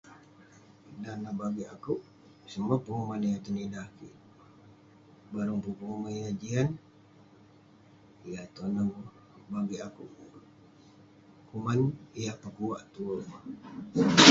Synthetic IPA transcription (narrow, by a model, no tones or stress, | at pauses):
danabaɡiʔakuʔ | səmapəŋumanijat̪unidahkḭ | baɾuŋpupəŋumanijad͡ʒian | ijat̪ona | baɡiʔakuʔ | kumanijapakuwaʔt̪uo